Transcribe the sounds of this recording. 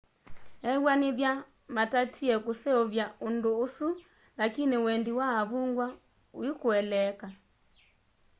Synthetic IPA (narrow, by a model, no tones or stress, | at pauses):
ɛwaniβja | matatʰiɛkusɛɔvjaundoːsu | lakiniwɛndiwaːβuŋɡwa | wikuɛlɛka